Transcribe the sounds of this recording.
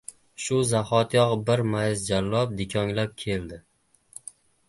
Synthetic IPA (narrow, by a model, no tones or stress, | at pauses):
ʃʊzaχɒt̪jɒʁbɪɾmajɪzd͡ʒalːɒp̚d̪ɪkʲʰɒŋlap̚kʲʰe̞ld̪ɪ